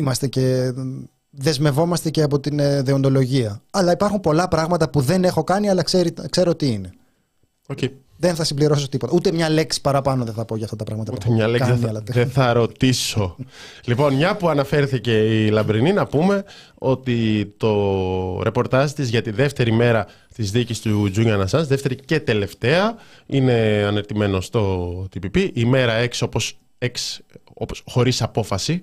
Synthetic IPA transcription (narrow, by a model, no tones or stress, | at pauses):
imɐst̪e̞ce̞ | ðe̞zme̞vo̞mɐst̪ece̞ɐpo̞t̪inðeo̞nd̪o̞lo̞ʝiɐɐlɐipɐɾxumpo̞lɐpɾɐɣmɐt̪ɐpuðe̞ne̞xo̞kɐniɐlɐkseɾikse̞ɾot̪iine̞ | oce | ðe̞nθɐsimbliɾo̞s̬ot̪ipo̞t̪ɐut̪emɲɐle̞ksi̥pɐɾɐpɐno̞ðeθɐpo̞ʝɐft̪ɐt̪ɐpɾɐɣmɐt̪ɐt̪emɲɐleɐlɐt̪eθɐɾo̞t̪iso̞ | lipo̞nmɲɐpuɐnɐfe̞ɾθice̞ilɐbɾininɐpume̞ | o̞t̪it̪o̞ɾe̞po̞ɾt̪ɐzt̪izʝɐt̪iðe̞ft̪e̞ɾime̞ɾɐ | t̪izðicist̪uzuɲɐnɐsɐzðeft̪e̞ɾice̞t̪e̞le̞ft̪e̞ɐine̞ɐneɾt̪ime̞no̞st̪o̞t̪ipipiʔime̞ɾɐeksio̞po̞s | eksoposxo̞ɾisɐpo̞fɐsi